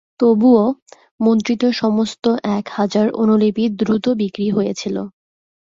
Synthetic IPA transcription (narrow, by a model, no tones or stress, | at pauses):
t̪obuo | mont̪ɾit̪oʃɔmost̪oʔɛkhad͡ʑaɾʔo̰nolepiɾd̪ɾut̪obikɾiɦojet͡ɕʰilo̰